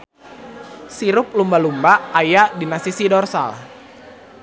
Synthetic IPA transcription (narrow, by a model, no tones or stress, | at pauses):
siɾʊp̚lumbalumbaːjadinasisidɔrsa̰l